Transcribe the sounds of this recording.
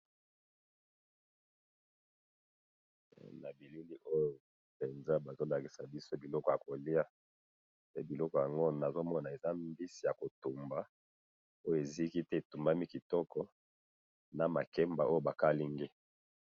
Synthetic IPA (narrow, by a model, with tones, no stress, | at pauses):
na˨bi˨lu˦li˦ʔo˦jo˨ | pe˨nza˦ba˨zo˦la˨ki˨sa˨bi˦so˦bi˨lɔ˦kɔ˨ja˨ko˨li˦a˦ | pe˦bi˨lɔ˦kɔ˨ja˨ŋɡo˦na˨zo˦mɔ˦na˨e˨za˦mbi˦si˨ja˨ko˨tu˨mba˦ | o˦jo˦˨e˨zi˦ki˦tɛ˦e˨tu˨mba˦mi˦ki˨tɔ˦kɔ˦ | na˨ma˨kɛ˦mba˨ʔo˦jo˦ba˨ka˦li˦ŋɡe˦